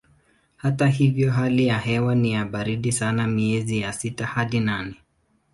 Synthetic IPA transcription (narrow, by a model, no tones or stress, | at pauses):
hataɦivjɔɦalijaɦɛwanijaɓaɾiɗisanamiɛzijasitahaɗinanɛ